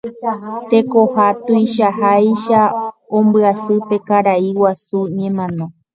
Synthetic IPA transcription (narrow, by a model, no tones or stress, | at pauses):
t̪e̞kohat̪ujʃaɦajʃaõmbɨasɨpe̞kaɾaiwasuɲẽmãnõ